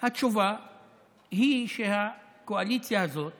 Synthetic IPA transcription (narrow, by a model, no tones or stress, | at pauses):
hat͡ʃuva | ɦiʃɛha | kualitiazɔ